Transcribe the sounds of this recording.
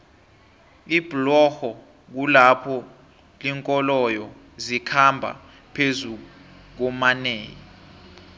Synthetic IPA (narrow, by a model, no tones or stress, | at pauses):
ib̥ʱlɔxɔ | k̬ulapʰɔ | liŋkʼɔlɔjɔ | zikʰambʱa̰ | pʰezu | k̬ɔmaneːjɔ